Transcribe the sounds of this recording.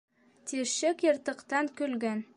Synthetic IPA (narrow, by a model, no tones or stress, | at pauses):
t̪iɾʃɘkjɤ̆ɾt̪ɤ̆qt̪ɑŋkɵ̆lɡæn